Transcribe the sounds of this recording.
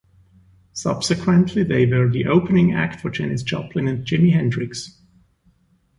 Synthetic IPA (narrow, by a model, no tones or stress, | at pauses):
sʌ̰b̥sɨkʰwə̃ntʰliðeɪwə˞ðiʔoʊpənɪ̃ŋæ̰k̚tfə˞d͡ʒɛnɪsd͡ʒʌ̰pʰlɨ̃nɨ̃nd͡ʒɪmiɦɛ̃ndɹɪks